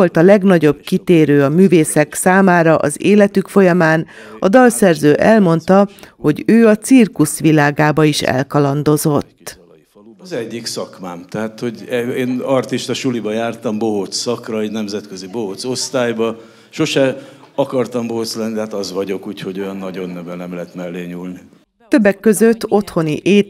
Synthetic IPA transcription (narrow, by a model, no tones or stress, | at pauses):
o̞lt̪ɒlɛɡnɒɟo̞b̚kit̪eːɾøːɒmyːveːsɛksaːmaːɾɒʔɒ̰zeːlɛt̪ykfo̞jɒmaːn | ɒd̪ɒlsɛrzøːʔɛlmo̞nt̪ɒho̞ɟøːɒt̪sirkusʋilaːɡaːbɒiʃɛ̰lkɒlɒnd̪o̞zo̞t̪ː | ɒzɛɟːiksɒkmaːmt̪ɛɦaːt̪ho̞ɟɛeːnɒrt̪iʃt̪ɒʃulibɒjaːrt̪ɒmboɦot̪sɒkrɒeɟnɛmzɛt̪køzibo̞ɦot̪so̞st̪aːjbɒ | ʃo̞ʃɛɒkɒrt̪ɒmboɦot̪slɛnːid̪ɛɦaːt̪ɒzʋɒɟo̞kuːcho̞ɟo̞jɒnːɒɟo̞nːɛvɛnɛmlɛɦɛt̪mɛlːeːɲuːlni | t̪ø̞bːɛkːø̞zø̞t̪ːo̞t̪ho̞niʔeː